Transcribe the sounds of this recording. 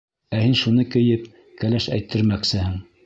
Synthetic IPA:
æhinʃunɤkɘ̆jɘp | kælæʃæ̰jt̪ːɘ̆ɾmæksɘhɘŋ

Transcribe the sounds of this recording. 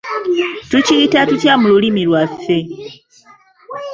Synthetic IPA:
tucitatucjamululimilwafːe̞

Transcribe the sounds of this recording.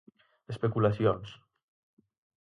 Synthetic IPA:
espekulasjons

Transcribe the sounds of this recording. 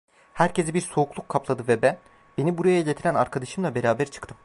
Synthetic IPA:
hæɾce̞zibiɾso̞uklˠukʰːaplˠad̪ɯvɛbæn | b̥e̞nibuɾajaɟʲet̪ʰiɾænaɾkʰad̪aʃɯmlˠabe̞ɾaːbæɾt͡ʃʰɯ̥kt̪ʰɯmm

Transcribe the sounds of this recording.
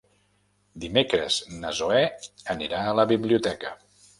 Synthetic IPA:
d̪imekɾə̰znəzoɛəniɾaələβiβliut̪ɛkə

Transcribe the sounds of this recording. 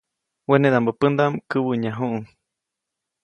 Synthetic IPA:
wened̪ambəpɨnd̪amkɨwɨɲaɦuʔuŋ

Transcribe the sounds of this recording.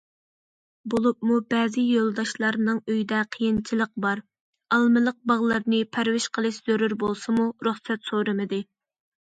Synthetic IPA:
bolˠup̚mubɛːzɨjolˠd̪ɑʃlˠɑɾnɨŋøjid̪ɛqʰəjint͡ʃʰilˠəq̚bɑɾ | ɑlˠmɨlˠəq̚bɑʁlˠɑɾnɨpʰæɾwɪʃqʰəlˠɨʃz̥øɾyɾbolˠsɨmuɾuχsɛt̪soɾɨmɨd̪ɨ

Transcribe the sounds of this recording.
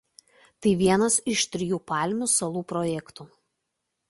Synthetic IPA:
t̪ɐɪʋʲiɛnɐsɪʃt̪ʲɾʲɪjuːpɑˑlʲmʲusɐlˠuːpɾɔjɛkt̪uː

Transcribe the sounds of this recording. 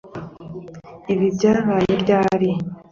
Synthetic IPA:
iβibɟaβaːjoɾɟaːɾi

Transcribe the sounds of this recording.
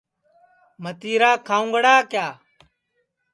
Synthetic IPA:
mət̪iːɾaːkʰaːũŋɡəɽaːkjaː

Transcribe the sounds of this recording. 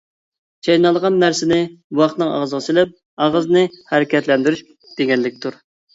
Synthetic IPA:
t͡ʃʰɑjnɑlˠʁɑnːæɾsɪnɪwɑχt̪nɨŋɑ̰ʁzəʁɑsilɛp̚ | ɑʁəznɨhæɾɪkʲɛt̪lɛnd̪yɾyʃʲ | d̪̥eɡʲɛnlɪkʲt̪uɾ

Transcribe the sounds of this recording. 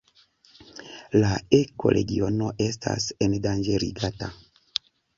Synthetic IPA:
lae̞ko̞̰ɾʔe̞̰ɡio̞no̞ʔe̞stʰa̰se̞ndand͡ʒeɾḭɡata

